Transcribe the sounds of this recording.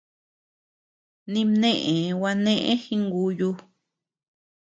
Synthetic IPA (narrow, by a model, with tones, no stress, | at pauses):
nĩ˧nẽ˦ʔẽ˨˧wa˧nẽ˦ʔḛ̃˦hi˧ŋɡu˧ju˧˦